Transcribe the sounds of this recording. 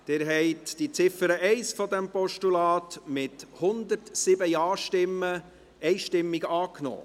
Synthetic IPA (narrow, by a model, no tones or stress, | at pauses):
d̥ɪɾɦɛɪtd̥it͡sɪfəɾəʔɛɪsfɔd̪ɛmpɔʃtulɑːt̪mɪthʊnd̪əɾtsɪbəjɑːʃtɪmːə | ɛɪʃtɪmːiɡəɑːkno̰ː